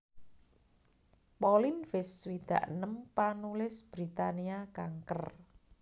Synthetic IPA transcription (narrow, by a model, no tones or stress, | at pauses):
pɔlɪnfɪswid̪̥a̤̰ʔnəmpanulɪsb̥ɾit̪aniakaŋkər